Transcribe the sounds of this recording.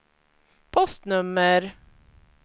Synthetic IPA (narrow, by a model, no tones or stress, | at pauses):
pʰɔst̪nɵmːəɾ